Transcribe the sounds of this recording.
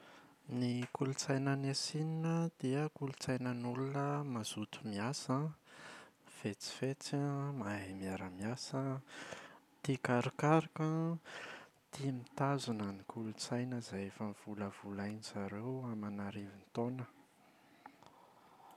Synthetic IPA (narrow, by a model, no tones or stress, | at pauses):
nikulut͡sajnənesininəd̪̥iəkulut͡sajnənulunəmaz̥ut̪u̥miasã | v̥et͡si̥fet͡samaɦimiaɾəmiasə | t̪ikaɾikaɾikə | t̪imit̪azunənikʰulut͡sajnəzajefənv̥uləv̥ulajnizaɾewamanaɾevint̪onə